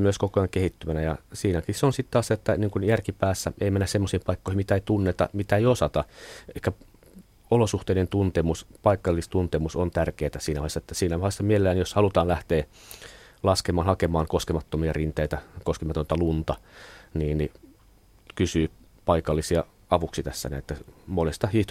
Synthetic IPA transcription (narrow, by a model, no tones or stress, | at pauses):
myøskokojɑŋkehit̪ːymænæjɑ̰siːnækiseonsit̪t̪ɑset̪ːæniːŋkunjærkipæːsːæeimenːæssemːosiːimpɑikːoˑihimit̪æeit̪unːet̪ɑ̰mit̪æeiosɑt̪ɑehkæ | olosuht̪eˑinent̪unt̪emuspɑikːɑlːist̪unt̪emusont̪ærkeːt̪æsiːnæohesːɑet̪ːæsiːnæohesːɑmielelːænjoshɑlut̪ɑːnlæht̪eː | lɑskemɑːnhɑkemɑːŋkoskemɑt̪ːomiɑrint̪eit̪ækoskemɑt̪ont̪ɑlunt̪ɑniːnni | kysyː | pɑikɑlːisiɑ | ɑʋuksit̪æsːæ̰næ̰et̪ːæmolest̪ɑhiːht̪